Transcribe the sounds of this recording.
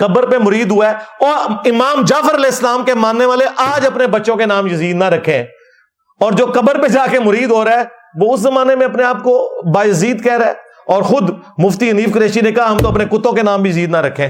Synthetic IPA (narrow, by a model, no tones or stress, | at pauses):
kɐbəɾpemʊɾiːd̪ɦʊaɛɔːɾɪmaːmd͡ʒaːfəɾɐlɛːɪsːəlaːmkemãːnːeʋaːleʔaːd͡ʒɐpnebɐtːʃõkenaːmjɐziːd̪naɾɐkʰːẽ | ɔːɾd͡ʒoːkɐbəɾped͡ʒaːkemʊɾiːd̪ɦoːɾaɛ | ʋoʊszɐmaːnemẽɐpneaːp̚kobaːjəziːd̪kɛːɾɛː | ɔːɾxʊd̪mʊft̪iɦəniːfkəɾeːʃinekɐɦaɦɐmt̪oɐpnekʊt̪õkenaːmbʱijəziːd̪naɾɐkʰːẽː